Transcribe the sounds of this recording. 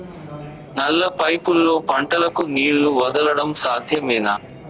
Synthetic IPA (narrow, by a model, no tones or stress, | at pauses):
nɐlːɐpɐjpulːo̞ːpɐɳʈɐlɐkuniːɭːuʋɐd̪ɐlɐɽɐmsaːd̪ʱjɐmɛːnɐ